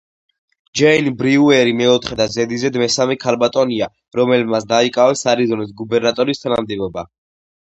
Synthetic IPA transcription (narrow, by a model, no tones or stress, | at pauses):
d͡ʒɛinbɾiuɛɾimɛɔt̪ʰχɛd̪azɛd̪izɛd̪mɛsamɛkʰalbat̪ʼɔnia | ɾɔmɛlmat̪sd̪aikʼavɛsaɾizɔnisɡubɛɾnat̪ʼɔɾist̪ʰanamd̪ɛbɔba